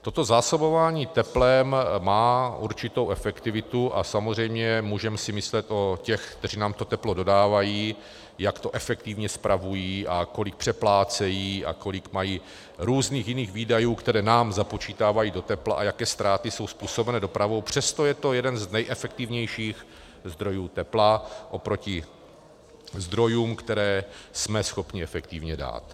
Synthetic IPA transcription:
t̪o̞t̪o̞zaːso̞bo̞vaːɲiːt̪ɛplɛmmaːʔuɾt͡ʃɪt̪o̞wʔɛfɛkt̪ɪvɪt̪uʔasamozr̝ɛjmɲɛmuːʒɛmɛsɪmɪslɛt̪ʔo̞cɛxkt̪ɛr̝inaːmt̪o̞t̪ɛplo̞do̞daːvajiː | jakt̪o̞ʔɛfɛkt̪ivɲɛspɾʔavujiːʔako̞lɪk̚pr̥ɛplaːt͡sɛjiːa̰ko̞lɪkmajiː | ɾuːzniːxjɪniːxɣviːdajuːkt̪ɛɾɛːnaːmzapo̞t͡ʃiːt̪aːvajiːdo̞t̪ɛpla̰ʔajakɛːst̪ɾaːt̪ɪso̞wspuːso̞bɛnɛdo̞pɾavo̞wpr̝̥ɛst̪o̞jɛt̪o̞jɛdɛnznɛjʔɛfɛk̚t̪ɪvɲɛjʃiːx | zd̪ɾo̞juːt̪ɛplaʔo̞pɾo̞cɪ | zd̪ɾo̞juːmkt̪ɛɾɛːsmɛsxo̞pɲɪɛfɛkt̪ɪvɲɛda̰ːt̪

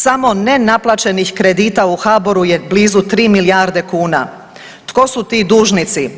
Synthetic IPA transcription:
samo̞nenaplˠat͡ʃe̞nixkɾe̞d̪iːt̪auxaːbo̞ɾujebliːzut̪ɾiːmilijaːɾd̪e̞kuːna̰ | t̪ko̞sut̪iːd̪uːʒnit̪si

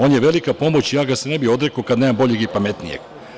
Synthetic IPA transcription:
o̞ːnjeʋe̞likapo̞mo̞t͡ɕijaːɡasenebio̞d̪ɾekokad̪nemambo̞ʎeɡipamet̪nijḛɡ̥

